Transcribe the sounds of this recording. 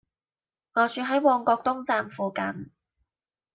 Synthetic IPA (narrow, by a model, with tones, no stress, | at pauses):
ŋɔː˨˧t͡ʃyː˨˧ɦɐ˨˥jwɔː˧ŋkɔː˧k̚t̪ʊ˥ŋt͡saː˧mfuː˨kɐ˧n